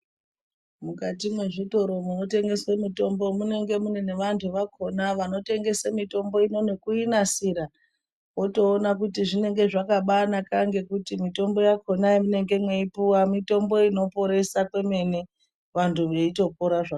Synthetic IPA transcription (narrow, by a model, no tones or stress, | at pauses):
mukatimwe̞ʐito̞ɾo̞muno̞te̞ŋɡe̞swemito̞mbo̞mune̞ŋɡe̞munene̞ʋantʰuʋakʰo̞naʋano̞te̞ŋɡe̞samito̞mbo̞ino̞ne̞kuinasiɾa | wo̞to̞ːnakutiʐine̞ŋɡe̞ʐakaɓanakaŋɡe̞kutimito̞mbo̞jako̞naimune̞ŋɡe̞mweipuwamito̞mbo̞ino̞po̞ɾe̞sakwe̞me̞ne̞ | ʋantʰuʋe̞ito̞p̚oɾaʐa